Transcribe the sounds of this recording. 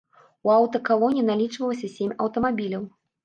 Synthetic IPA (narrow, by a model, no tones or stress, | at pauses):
uawt̪ɐkalˠɔnʲinalʲit͡ʂvɐlˠɐsʲɐsʲemʲɐwt̪ɐmabʲilʲɐw